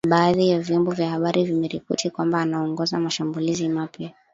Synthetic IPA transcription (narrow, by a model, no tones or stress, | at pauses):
ɓaːðijavjɔmbɔvjahaɓaɾʔivimɛɾipɔ̰tʰikwambaːnaɔŋɡɔzamaʃambulizimapja